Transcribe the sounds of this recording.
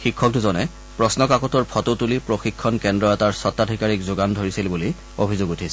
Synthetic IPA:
xikʰːɔk̚tʊzɔnɛ | pɹɔsnɔkakɔtɔɹpʰɔtotulipɹoxikʰːɔnkɛndɹɔɛtaɹsɔtːadʱikaɹikzʊɡandʱoɹisilbuli | obʱizoɡutʰisɛ

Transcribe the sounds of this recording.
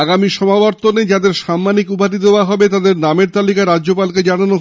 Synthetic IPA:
aɡamiʃɔmabɔɾt̪oned͡ʑad̪eɾʃamːanikupat̪id̪eoaɦɔbet̪ad̪eɾnameɾt̪alikaɾad͡ʑːʑopalked͡ʑanano

